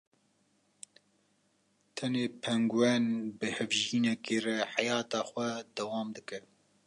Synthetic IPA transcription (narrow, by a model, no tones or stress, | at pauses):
t̪ʰɛneːpʰɛŋɡwɛnbɨhɛvʒiːnɛkeːrɛħajɑːt̪ɑːxwɛd̪ɛwɑːmd̪ɨkɛ